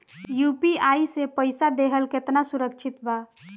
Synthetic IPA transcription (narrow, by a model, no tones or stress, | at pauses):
jupiaisepəɪsad̪eɦəlket̪nasuɾəkt͡ʃʰit̪ba